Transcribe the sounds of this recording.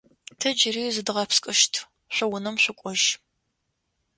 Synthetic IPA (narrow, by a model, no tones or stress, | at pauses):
tʰɐd͡ʒɪriːzɨdʁɐpskʼɨʃtʰ | ɕʷɐwʊnɐmɕʷʊkʷʼɔʒ